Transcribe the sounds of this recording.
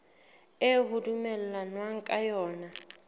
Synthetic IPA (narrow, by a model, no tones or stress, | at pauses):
ɪbʊdumɛl̩lanwaŋ̩kʼajɔːna